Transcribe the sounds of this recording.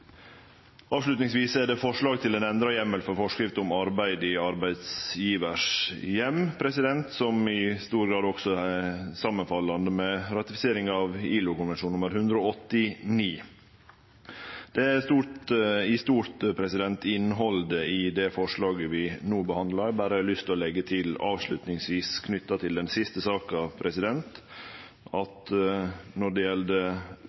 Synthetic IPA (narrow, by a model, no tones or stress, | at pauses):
ɑːʋʂlʉt̪nɪŋsʋiːsæɖɛfɔʂɭɑːɡt̪ʰɪlɛnɛnd̪ɾɑjɛmːəlfɔɾfɔʂkɾɪft̪əʊmɑɾbæɪd̪ɪɑɾbæɪd̪sjiːʋəʂjɛmpʰɾɛsɪd̪ɛnt̪sɔmɪst̪uːɾɡɾɑːd̪ɔksɔsɑmːənfɑlːɑnd̪əmɛɾɑt̪ɪfɪ̥seːɾɪŋɑʋiːlʊkʊnʋɛnʂuːnʊməɾhʉnd̪ɾəoːɔt̪ːɪniː | d̪̥ɛst̪uːɾt̪ɪst̪uːɾt̪pʰɾɛsɪd̪ɛnt̪ɪnːəɦɔld̪əɪd̪ɛfɔʂɭɑːɡəʋɪnuːbəhɑnd̪lɑbæːɾəlʏst̪ʰɔlɛɡːət̪ʰɪlɑːʋʂɭʉt̪nɪŋsʋiːskʰnʏt̪ːɑt̪ʰɪld̪ɛnsɪst̪əsɑːkɑʋpʰɾɛsɪd̪ɛnt̪ | ɑt̪ | nɔɖɛjɛld̪ə